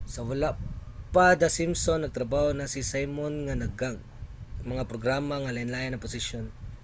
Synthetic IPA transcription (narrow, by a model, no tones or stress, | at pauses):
sɐwalaʔpad̪asimsonːɐɡ̚t̪ɾɐbahonasisajmonŋanɐɡaɡ̚ | mɐŋapɾoɡɾamaŋalɐɪnlaːjanːɐpʊsɪʃjon